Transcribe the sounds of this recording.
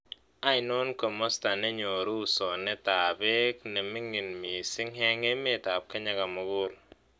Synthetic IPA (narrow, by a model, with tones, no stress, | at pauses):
a˦ɪ˨nɔ˦nkɔ˨mɔ˦sta˨nɛ˦ɲo˨ɾu˦˨sɔ˨nɛ˦ta˨be˦knɛ˨mɪ˦ŋɪ˨nmi˨sɪ˦ŋhɛ˦ŋe˦me˦˨ta˨p̚ka˦ɲa˦ɡa˨mʊ˨ɡʊ˦l